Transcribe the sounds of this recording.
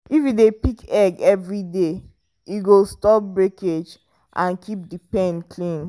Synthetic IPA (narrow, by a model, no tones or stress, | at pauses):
ifidepikɛɡɛvɹide | iɡostɔp̚bɹeked͡ʒ | ʔãnkʰip̚dipɛ̃nkʰlĩn